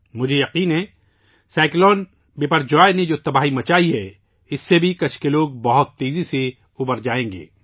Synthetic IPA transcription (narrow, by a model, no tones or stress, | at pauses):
mʊd͡ʒʱejɐqiːnɦɛ̃ | saːɪklɔːn | beːpəɾd͡ʒaːened͡ʒoːt̪ɐbaːɦimɐt͡ʃaːiɦɛ | ɪsːebʱikɐt͡ʃʰkeloːɡ̚bɐɦʊt̪ːeːzise | ʊbəɾd͡ʒaːẽːŋɡḛː